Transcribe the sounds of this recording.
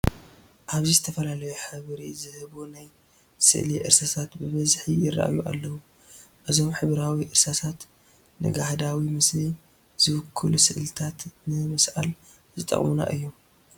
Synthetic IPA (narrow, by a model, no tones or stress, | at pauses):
ʔaβzizɨt̪ʰɐfɐlalɐjuħɨβɾizɨhɨβunaj | sɨ̰ʔliʔɨ̰ɾsasʰat̪bɨβɐzħijɪrːa̰ʔa̰juʔa̰lːɐwu | ʔɨzo̞mħɨβɾawiʔɨɾsat̪ʰat̪ | nɨ̰ɡahd̪awimɨsni | z̥ɨwʊkʰːɨlusɨʔlɨt̪ʰat̪nɨmɨsʔa̰l | zɨt̪ʼɐ̰χʼmuna̰ʔɨjːom